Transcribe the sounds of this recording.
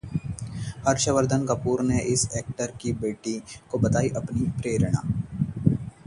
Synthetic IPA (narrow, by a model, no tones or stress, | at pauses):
hɐɾʃəʋəɾd̪ʱənkɐpuːɾneʔɪseːk̚ʈəɾkibeːʈikobɐt̪aːiʔɐpnipɾeːɾɳ̃a̰ː